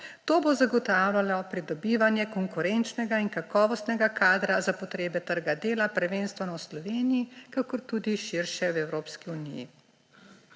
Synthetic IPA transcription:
t̪oːbozaɡɔt̪aːwlʲjalɔpɾid̪ɔbiːʋanjɛkɔŋkuɾent͡ʃnɛɡainkakɔːʋɔst̪nɛɡakʰaːd̪ɾazapɔt̪ɾeːbɛt̪əɾɡad̪eːlapɛɾʋeːnst̪ʋɛnɔwslɔʋeːnijikakɔɾt̪ud̪iʃiɾʃɛwɛwɾoːpskiunijḭ

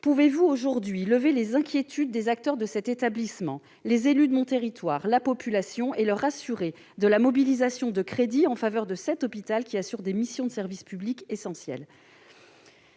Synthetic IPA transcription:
puvevuoʒuʁd̪ɥiləvelezɛ̃kʲjet̪ʰyd̪ːezak̚t̪œʁd̪əsɛt̪et̪ablismɑ̃ | lezelyd̪əmɔ̃t̪eʁit̪waːʁlapɔpylasjɔ̃ʔeləʁasyʁe | d̪əlamɔbilizasjɔ̃d̪əkχed̪iɑ̃favœʁd̪əsɛt̪ɔpit̪alkʲiasyʁd̪emisjɔ̃d̪əsɛʁvispyblikesɑ̃sjɛ̰l

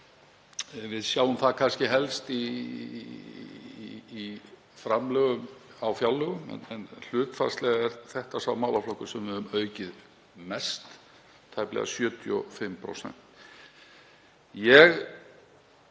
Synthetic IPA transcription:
vɪðsjaːwʏmθakʰanscɪɦɛlst̪i | fɾamlœːɣʏmawfjalːœɣʏmɛ̰nɛnl̥ʏːt̪fa̰ɾ̥st̪lɛɣaɛɾθɛht̪asavmaːwlaflowkʏsɛmvɪðʏmœːɥcɪð | mɛst̪ | t̪ʰːajplɛ̰ɣa̰sjœːt̪ʰʏɔ̰fɪmpɾo̰wsɛ̰n̥t̪ | jɛɣ

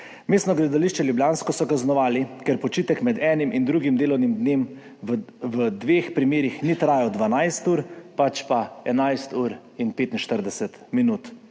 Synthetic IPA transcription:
meːst̪nɔɡlɛd̪aliʃt͡ʃɛljubljaːnskɔsɔkaznɔʋaːlikɛɾpɔt͡ʃiːt̪ɛkmɛd̪ɛːnimʔind̪ɾuːɡimd̪eːlɔwnimd̪neːm | ʋəd̪ʋeːxpɾimeːɾixnit̪ɾaːjɛd̪ʋanajst̪uːɾpat͡ʃpaɛnajst̪uːɾ | inpeːt̪inʃt̪əɾd̪ɛsɛt̪minuːt̪

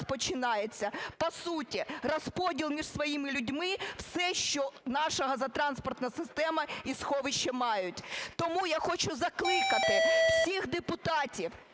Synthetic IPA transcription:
spɔt͡ʃɪnɑjet͡sʲːɐpɔsutʲirɔspɔdʲilˠmʲiʒsʋɔjimɪlʲʊdʲmɪwsɛʃt͡ʃɔnɑʃɐɦɐzɐt̪ɾɑnspɔrt̪nɐsɪst̪ɛmɐisxɔʋɪʃt͡ʃːɛmɑjʊtʲt̪ɔmujaxɔt͡ʃʊzɐklˠɪkɐt̪ɪwsʲixd̪epʊt̪ɑtʲiw

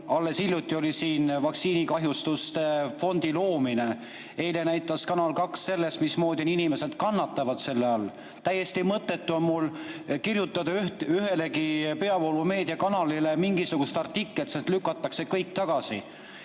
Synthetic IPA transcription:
ɑlːe̞silʲjut̪ːˑio̞lisiːnvɑksiːnikɑɦjust̪ust̪e̞fo̞nd̪̥ilo̞ːmine̞ | e̞jlenæjt̪ːˑɑskɑnɑlkɑkse̞lːest̪mismo̞ːd̪̥ʲioninime̞se̞d̪̥kɑnːɑt̪ːˑɑvɑd̪̥se̞lːeɑlː | t̪æjːe̞st̪imɤt̪ːˑe̞t̪ːˑuo̞nmulkirjut̪ːˑɑd̪̥ɑhyɦe̞le̞kipe̞ɑvolume̞ːd̪̥iɑkɑnɑlile̞miŋɡ̥isuɡ̥ust̪ɑrt̪ikːˑelt̪sent̪lykːˑɑt̪ːˑɑkse̞kɤjk̚t̪ɑɡ̥ɑsi

